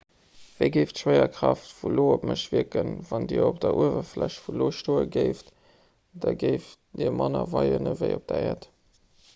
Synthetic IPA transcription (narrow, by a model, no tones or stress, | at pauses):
v̥eɪɡeɪftʃwɜɪɐkʁ̥ɑftvuloːopməʃv̥iəkənvɑndiːɐop̚d̥ɐʔuəvɐflæɕtfuloːʃtoːəɡəɪft | d̥ɑɡəɪf | diːmɑnɐvɑɪənəvəɪop̚d̥ɐɛːɐt